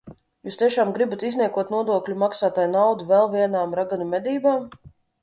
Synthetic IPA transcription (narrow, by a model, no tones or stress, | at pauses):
juːst̪ʲiɛʃaːmɡɾibat̪izniɛkuɔt̪nuɔd̪uɔklʲumaksaːt̪aːjnawd̪uvɛlˠvʲiɛnaːmɾaɡanumʲɛd̪iːbaːm